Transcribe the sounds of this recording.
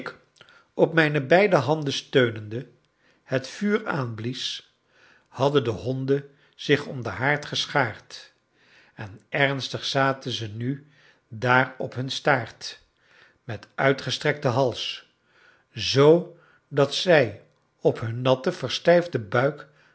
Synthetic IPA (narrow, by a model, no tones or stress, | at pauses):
k | ɔp̚mɛjnəbɛjdəɦɑndəstøɥnəndə | hətfyːɹa̰ːnblis | hɑdəndəɦɔndə | z̥ɪχɔmdəɦaːɹtχəsχaːɹt | ɛnɛrnstəχsaːtənzəny | daːrɔpɦɵnstaːɹt | mɛtœɥtχəstrɛk̚təɦɑlˠs | zow | dɑtsɛj | ɔpɦɵnːɑtəvəɹstɛjvdəbœɥk